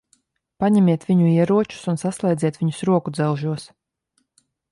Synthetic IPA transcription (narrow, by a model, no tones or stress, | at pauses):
paɲɛmʲiɛt̪vʲiɲuiɛɾuɔt͡ʃu̥sunsaslˠɛjd̪zʲiɛt̪v̥ʲiɲu̥sɾuɔkud̪zɛwʒuɔs